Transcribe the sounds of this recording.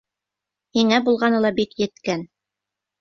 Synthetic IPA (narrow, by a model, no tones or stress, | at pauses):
hiŋæbulˠʁɑnɤlˠɑbikjɘ̆t̪kæn